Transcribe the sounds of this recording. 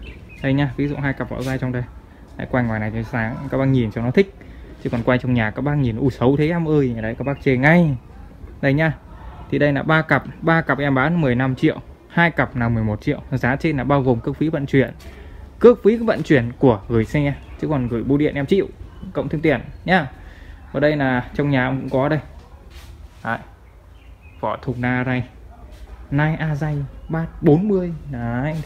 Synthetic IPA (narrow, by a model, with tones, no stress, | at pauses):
ɗə˧jɲaː˧vi˨˦zṵ˧˨ɦaː˧jka˨˩p̚vɔ̰˧˥wzaː˧jt͡ɕɔ˧wŋ͡mɗə˧j | ha̰ː˧˥jkwa˧jŋwaː˨˩jna˨˩jt͡ɕɔ˧˩˧saː˨˦ŋkaː˦˥k̚ɓaː˧ŋɲi˨˩nt͡ɕɔ˧nɔ˨˦t̪ʰï˦˥k̟̚ | t͡ɕɨ˨˦kɔ˨˩nkwa˧jt͡ɕɔ˧wŋ͡mɲaː˨˩kaː˦˥k̚ɓaː˧˥nɲi˨˩nʔu˧˩sə˨˦wt̪ʰe˨˦ʔɛ˧mʔəː˧jɗə˧jkaː˦˥k̚ɓaː˦˥k̚t͡ɕe˧ŋa˧j | ɗə˧jɲaː˧˩ | t̪ʰi˨˩ɗə˧jlaː˨˩ɓaː˧kə˨˩p̚ɓaː˧ka˨˩p̚ʔɛ˧mɓaː˨˦n˦mɨ˨˩əjna˧mt͡ɕḭ˧˨əw | haː˧jkə˨˩p̚naː˨˩mɨ˨˩əjmo˨˩t̚t͡ɕḭ˧˨əwzaː˨˦t͡ɕe˧nlaː˨˩ɓaː˧wɣo˨˩mkɨ˦˥ək̚fi˨˦və̰˧˨nt͡ɕwi˧˩ən | kɨ˦˥ək̚fi˨˦və̰˧˨nt͡ɕwi˧˩ənku˧˩əɣɨ˨˩jsɛ˧t͡ɕɨ˨˦kɔ˨˩nɣɨ˧˩əjɓo˨˧˦ɗḭ˧˨ənʔɛ˧mt͡ɕḭ˧ə̰˨wkə̰˧˨wŋ͡mt̪ɨ˧ŋt̪i˧˩ənɲaː˧vɔ˨˩ɗə˧jlaː˨˩t͡ɕɔ˧wŋ͡mɲaː˨˩ʔə˧wkʊ̰˧˥ŋ͡mkɔ˨˦ɗə˧j | ha̰ː˧˨j | vɔ˧˩t̪ʰʊ˨˩ŋ͡mnaː˧za˧j | naː˧jʔaː˧za˧jɓaː˧˩ɓo˨˦nmɨ˧əjn˨˧